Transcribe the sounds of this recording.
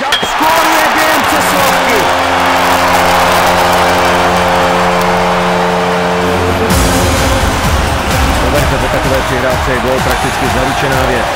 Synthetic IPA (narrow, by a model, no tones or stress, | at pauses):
skoɾjɛbɛɛmpsɛslo | kɪ | t̪ovajt̪ɛd̪ot̪akovɛːpr̥ɪɦɾaːft͡sɛbowpɾak̚t̪ɪt͡skɪzaɾut͡ʃɛnaːvjɛt͡s